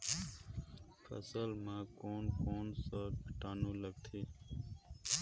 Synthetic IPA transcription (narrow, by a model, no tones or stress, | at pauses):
fʰə̰səlmãːkoːnkoːnsəkʈaːnuːləɡ̚t̪ʰiː